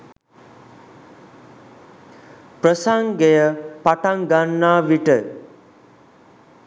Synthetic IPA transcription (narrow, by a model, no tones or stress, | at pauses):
prəsaŋɡejəpaʈaŋɡanːaːʋiʈə